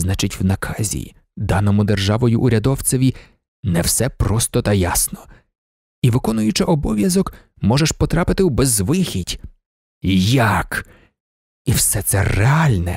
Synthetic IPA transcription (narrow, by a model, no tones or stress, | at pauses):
znɑt͡ʃɪtʲwnɐkʰɑzʲḭ | d̪ɑnɔmʊd̪erʒɑʋɔjʊʔʊɾʲɐd̪ɔwt͡ssʲɐʋʲi | nɛwsɛpɾɔst̪ɔt̪ɐjasnɔ | iʋɪkɔnʊjʊt͡ʃɪʔɔbɔʋʲjɐzɔk | mɔʒɛʃpɔt̪ɾɑpɪt̪ɪwbɛzʋɪxʲitʲ | jak | iwsɛt̪sɛrɛɑlʲnɛ